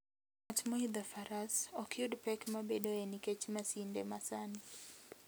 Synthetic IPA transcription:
at͡ʃmɔid̪afaɾasɔkɪʊdpɛkmabedoeniket͡ʃmasindɛmasani

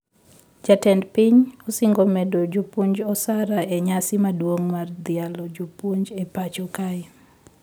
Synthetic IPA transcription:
d͡ʒatɛndpiɲɔsiŋɡomɛdod͡ʒupuɲd͡ʒɔsaɾaeɲasɪmadwoŋmard̪ɪalɔd͡ʒupuɲd͡ʒepat͡ʃokaɪ

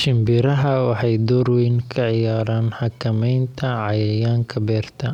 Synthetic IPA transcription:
ʃɪmbɪɾɐɦɐwɑħɑjd̪ɔːrwɛjnkʰɐʕɪjaːɾaːnħɑkʰɐmɛjnt̪ʰɐʕɑjɛjaːŋkʰɐbɛːrt̪ʰɐ

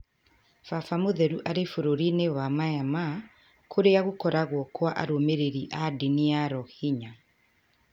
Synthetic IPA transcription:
fafamoðɛɾuʔaɾefoɾoɾinewamajama | kʰoɾeaɣokɔɾaɣwɔkwaʔa̰ɾomeɾeɾiʔadiniaɾɔhiɲa

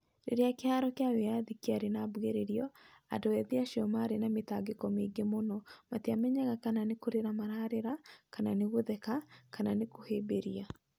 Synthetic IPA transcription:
ɾḛɾeakeaɾɔkeawejaðikiaɾenaːbweɾeɾiɔa̰ndoɛðiaʃɔmaɾenametaɡekɔmeɡemonɔmateamɛɲaɣakananekoɾeɾamaɾaːɾeɾakananeɣoðɛkakananekohebeɾia

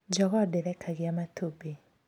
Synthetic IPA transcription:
d͡ʒɔɡɔdɛɾɛkʰaɡɪamatʰobe

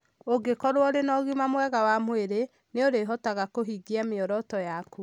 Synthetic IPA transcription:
oɡekɔɾwɔɾenɔɣimamwɛɣawamweɾe | neoɾeɦɔtaɣakoɦiɡiameɔɾɔtɔjaku

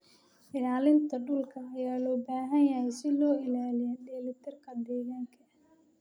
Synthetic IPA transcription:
ʔɪlaːlɪnt̪ʰɐɖʊlkʰɐːjaːlɔːbaːɦɐnjɐhɛjsɪlɔːɪlaːlɪjɛːdɛːlɪt̪ʰɐrkʰɐd̪ɛːɣaːŋkʰɐ

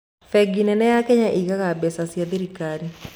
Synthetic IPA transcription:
fɛɡinɛnɛjakɛɲaʔiɣaɣabɛsasjaðiɾikaɾi

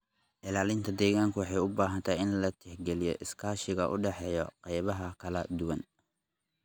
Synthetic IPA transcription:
ʔɪlaːlɪnt̪ʰɐd̪ɛːɣaːŋkʰʊwɑħɑjʊbaːɦɐnt̪ʰaɪnlɐt̪ʰɛħɡɛlɪjɔ̰ʔɪskʰaːʃɪɣɐʔʊ̰ɖɛħɛːjɔqɑjβɐɦɐkʰɐlɐd̪ʊwɐn

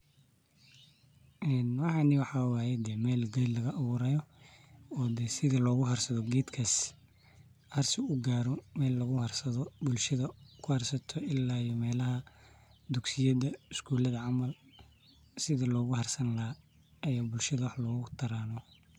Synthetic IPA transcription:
ʔɛnwɑħɑniwɑħɑwaːjɛd̪ɛːmɛːlɡɐjlɐɣɐʔːβʊɾɐjɔ | ɔːd̪ɛsɪðɐlɔːɣʊɦɐrsɐðɔɡɛːd̪kʰɐs | hɐrsɪʊɡaːɾɔmɛːlːɐɣʊhɐrsɐðɔbʊlʃɐðɐkʰʊhɐrsɐt̪ʰɔʔɪlːaːjɔmɛːlɐɦɐd̪ʊɡsɪjɐðɐɪskʰuːlɐðɐʕɑmɐl | sɪðɐlɔːɣʊhɐrsɐnlɐha | ɐjaːbʊlʃɐðɐwɑħlɔːɣʊt̪ʰɐɾaːnɔ

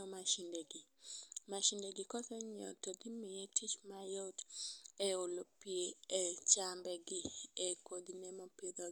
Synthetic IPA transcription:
ɔmaʃindeɡimaʃindeɡɪkɔsɛɲɔ̰tɔɡimɪjetʰit͡ʃmajotɛolopieɛt͡ʃambɛɡɪɛkodinɛmɔpid̪ɔ

